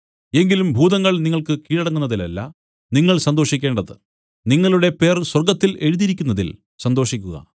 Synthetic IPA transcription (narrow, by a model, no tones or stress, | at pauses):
e̞ŋɡilumbʱuːðɐŋːɐɭniŋːɐɭkɨkiːɻɐɽɐŋːunːɐðilɐlːɐ̰ | niŋːɐɭsɐnd̪o̞ːʂikʲːe̞ːɳɖɐðɨ | niŋːɐɭuɽe̞pe̞ːrswɐrɡɐt̪ːile̞ɻuðiɾikʲːunːɐðḭl | sɐnd̪o̞ːʂikʲːuɣɐ̰